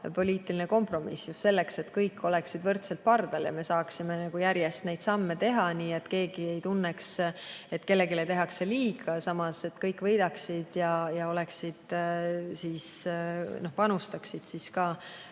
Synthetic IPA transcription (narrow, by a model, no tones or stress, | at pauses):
po̞lʲiːt̪ilineko̞mpro̞misjusse̞lːekse̞t̪kɤjkʰːo̞lɛ̞ksid̪vɤrt̪selt̪̚pɑrd̪̥ɑljɑ̰me̞sɑːksimenɑɡ̥ujæɾjest̪ne̞jd̪sɑmːe̞t̪e̞ɦɑniːe̞t̪ke̞ːɡ̥ie̞jt̪unːekse̞t̪ːke̞lːe̞ɡilet̪e̞ɦɑkseliːɡ̥ɑsɑmɑse̞t̪kɤjkːˑvɤjd̪̥ɑksid̪̥jɑjɑo̞le̞ksid̪̥sisno̞hpɑnust̪ɑksid̪̥siskɑː